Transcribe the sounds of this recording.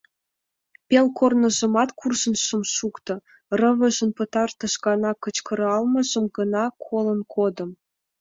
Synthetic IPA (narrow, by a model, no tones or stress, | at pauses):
pelkornə̆ʒə̆mɑt̪kurʒə̆nʃəmʃukt̪ɤ̆ | rəβə̆ʒə̆npət̪ɑrt̪ə̆ʃɣɑnɑkət͡ɕkə̆ɾɑlmɤ̆ʒəmɡənɑkʰolənkʰod̪ə̆m